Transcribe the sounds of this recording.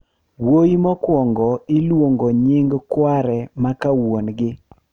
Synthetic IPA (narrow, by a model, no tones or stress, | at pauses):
wojimɔkwɔŋɡɔilwoŋɡoɲɪŋɡkwaɾɛmakawonɡɪ